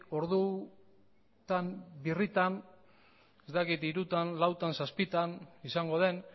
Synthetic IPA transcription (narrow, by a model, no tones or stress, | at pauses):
o̞ɾðu | t̪ambirit̪an | est̪akit̪iɾut̪anlawt̪ansaspit̪anisaŋɡo̞ð̞e̞n